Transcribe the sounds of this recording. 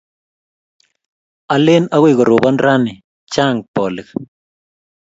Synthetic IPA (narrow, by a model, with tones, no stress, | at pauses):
a˨le˦na˦ɣi˦˨ɣo˨ɾo˨ba˦nɾa˦ni˨ | t͡ʃa˦˨ŋ̚pɔ˨li˨k